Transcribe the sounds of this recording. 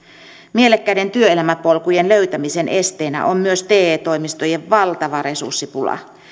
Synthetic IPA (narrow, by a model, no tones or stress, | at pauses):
mielekːæide̞nt̪yøelæmæpolkujenløyt̪æmise̞nʔe̞st̪eːnæ̰ʔomːyøst̪eːt̪oimist̪oje̞ʋʋɑlt̪ɑʋɑre̞sṵrsːipulɑ̰